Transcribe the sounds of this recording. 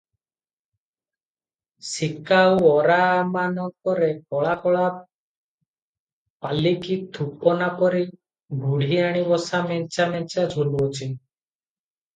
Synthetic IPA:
sikawɔɾamanɔkɔɾekɔɭakɔɭa | palikid̪ʰʱupɔnapɔɾi | bʱuɽ̤iaɽ̃ibɔsamɛnt͡ʃamɛnt͡ʃad͡ʒʱoluɔt͡ʃʰin

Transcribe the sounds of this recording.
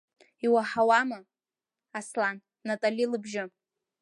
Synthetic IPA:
iwaħawamɨ | aslanːatʼalʲilɨbʒɪ

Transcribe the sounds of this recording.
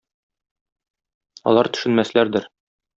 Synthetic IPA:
ɒ̰lˠɑɾt̪ɵ̥̆ʃɘ̆nmæslæɾd̪ɘɾ

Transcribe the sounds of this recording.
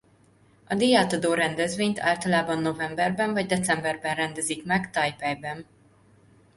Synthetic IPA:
ɒd̪eːaːt̪ɒd̪oːɾɛnd̪ɛzveːɲt̪ʰa̰ːlt̪ɒlaːbɒnːo̞vɛmbɛrbɛɱvɒɟd̪ɛt̪t͡sɛmbɛrbɛnrɛnd̪ɛzikmɛɡt̪ɒjpɛjbɛn

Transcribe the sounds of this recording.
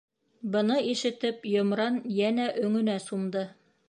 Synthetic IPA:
bɤ̆nɤiʃɘ̆t̪ɘpjŏmɾɑnjænæʔɵ̆ŋɵ̆næsumd̪ɤ

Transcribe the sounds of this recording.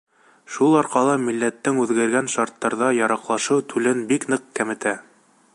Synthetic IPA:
ʃulˠɑɾqɑlˠɤmilːæt̪ːɘŋʉðɡæɾɡænʃɑɾt̪ːɑɾðɑjɑɾɑqlˠɑʃɤwt̪ʰʉlɘnbiknɤq̚kæmɘ̆t̪æ

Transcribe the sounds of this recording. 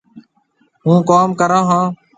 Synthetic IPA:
ɦũːkaːmkəɾãːɦãː

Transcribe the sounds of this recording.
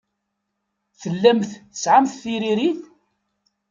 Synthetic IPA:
θəlːæmθθəsʕamθθiɾiɾiθ

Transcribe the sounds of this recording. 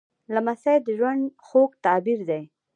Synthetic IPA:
lamasajd̪əʒwaɳd̪xokt̪ɑbiɾd̪aj

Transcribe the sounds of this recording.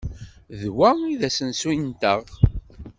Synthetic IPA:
ðwæiðæsənsujnt̪əʁ

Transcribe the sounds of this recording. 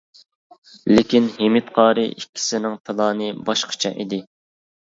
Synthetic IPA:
lɪkʲinɦemɪt̪qʰɑːɾɨ̰ʔikʲʰːi̥sɪnɪŋt̪ʰɪlˠɑːnɨbɑʃqʰə̥t͡ʃʰɛ̰ʔid̪ɪ

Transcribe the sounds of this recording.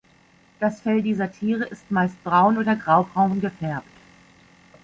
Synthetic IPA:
d̥asfɛldiːzɐtʰiːʁ̞əʔɪstmaɪst̚b̥ʁaʊnʔoːdɐɡʁaʊbʁaʊnɡəfɛɐp̚t

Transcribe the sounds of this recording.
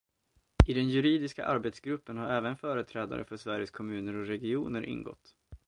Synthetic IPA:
ɪd̪ɛnjɵɾiːd̪ɪska̰ʔaɾbet̪sɡɾɵpːənhaɾɛːvənfœːɾət̪ʰɾɛːd̪a̰ɾʔə̰fœʂvæɾjəskʰɔmʉ̟ːnəɾɔɾɛɡɪuːnəɾʔɪ̰nɡɔ̰t̪ː

